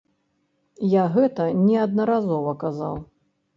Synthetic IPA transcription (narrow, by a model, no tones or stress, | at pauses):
jaɣɛt̪ɐnʲɛɐd̪̚nɐɾazɔvɐkaza̰w